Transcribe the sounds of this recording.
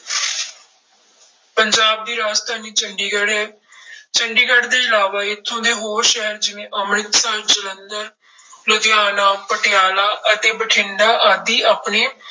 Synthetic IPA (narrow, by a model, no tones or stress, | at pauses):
pəɲd͡ʒaːb̚d̪iːɾaːst̪ʰaːniːt͡ʃəɳɖiɡɽɦɛː | t͡ʃəɳɖiːɡəɖd̪eːɪlaːʋaːɪt̪ʰːõːd̪eːɦoːɾʃɛɦəɾd͡ʒɪʋẽːʔəmɾɪt̪saːd͡ʒələnd̪əɾ | lʊd̪ɪjaːnaːpəʈɪjaːlaːʔət̪eːbəʈʰɪɳɖaːʔaːd̪iːaːpneː